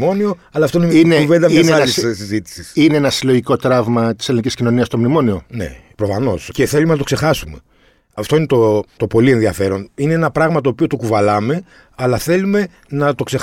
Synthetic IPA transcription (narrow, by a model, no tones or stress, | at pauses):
mo̞nio̞ | ɐlɐft̪oineminevend̪ɐminelissizit̪i̥sisineenɐsilo̞ʝiko̞t̪ɾɐvmɐt̪i̥se̞liniciscino̞niɐst̪o̞mnimo̞nio̞ne̞̰pɾofɐno̞sce̞θelumenɐt̪okse̞xɐsume̞ | ɐft̪o̞ine̞t̪o̞t̪o̞po̞lie̞nðiɐfe̞ɾo̞nine̞enɐpɾɐɣmɐt̪o̞ːpio̞t̪o̞kuvɐlɐme̞ | ɐlɐθe̞lume̞ | nɐt̪o̞kse̞